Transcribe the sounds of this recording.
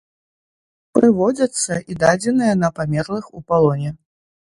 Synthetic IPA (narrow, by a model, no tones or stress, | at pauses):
pɾɨvɔd͡zʲɐt̪sːɐʔid̪ad͡zʲɛnɨjɐnɐpamʲɛrlˠɨxṵpalˠɔnʲɛ